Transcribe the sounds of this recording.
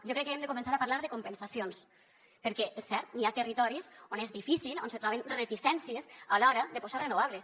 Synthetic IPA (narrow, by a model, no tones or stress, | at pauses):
ʒokɾɛkːeemd̪ekumẽnsaɾapaɾlaɾðekompensasions | peɾkɛʔesːɛɾt̪niat̪ərit̪ɔɾisonezðifisilonset̪ɾɔβenret̪isɛnsiesalɔɾəðepozarenoβ̞aβles